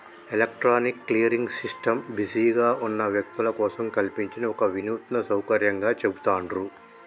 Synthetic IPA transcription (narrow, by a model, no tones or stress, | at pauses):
elɐk̚ʈɾaːnikːlijɐɾiŋɡsisʈɐmbisiːɡaːʔunːɐʋjɐk̚t̪ulɐkɔːsɐmkɐlpiɲt͡ʃinɐɔkɐʋinuːt̪nɐsɐwkɐɾjɐŋɡaːt͡ʃebut̪aːɳɖɾu